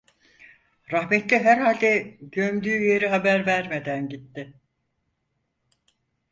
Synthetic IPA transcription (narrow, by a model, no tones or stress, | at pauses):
ɾahmet̪lʲiɦæɾhaːlʲd̪ɛɟømd̪yːjeɾiɦabæɾvæɾmed̪ænɟit̪ːɪ